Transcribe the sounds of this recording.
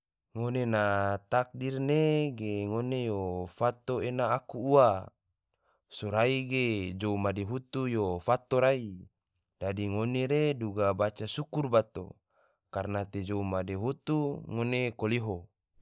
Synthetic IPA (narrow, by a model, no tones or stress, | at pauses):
ŋonenat̪ak̚dirneɡeŋonejofat̪oenaːkuːa | soɾaiɡed͡ʒoumadeɦut̪ujofat̪oɾai | d̥adiŋoneɾeduɡabat͡ʃasukurbat̪o̰ | karnat̪ed͡ʒoumadeɦut̪uŋonekoliɦo